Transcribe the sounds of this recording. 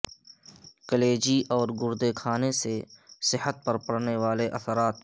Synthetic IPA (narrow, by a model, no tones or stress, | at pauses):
kəleːd͡ʒiʔɔːɾɡʊɾd̪ekʰaːnesesɪɦət̪̚pɐɾpəɽneʋaːleʔɐsəɾaːt̪̚